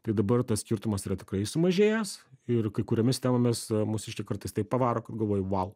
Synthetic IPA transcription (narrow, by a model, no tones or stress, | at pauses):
t̪ɐɪd̪ɐbɐrt̪ɐssʲkʲɪɾt̪ʊmɐsiɾɐt̪ʲɪ̥kɾɐɪsʊmɐʒʲeːjɛsɪrkɐɪkʊɾʲɛmʲɪsʲt̪ʲɛmɐmʲɪsmʊsʲɪʃʲkʲɪkɐɾt̪ɐɪst̪ɐɪppɐʋɑːɾoːkɐt̪ɡɐlˠʋoːjʊʋɐlˠ